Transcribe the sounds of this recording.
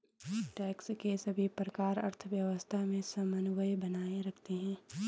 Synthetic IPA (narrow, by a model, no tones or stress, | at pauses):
ʈɛːkskesɐbʱipɾəkaːɾɐ̰ɾt̪ʰəʋjəʋəst̪ʰamẽsɐmənuʋəjbɐnaːeɾɐkʰt̪eɦɛ̃ː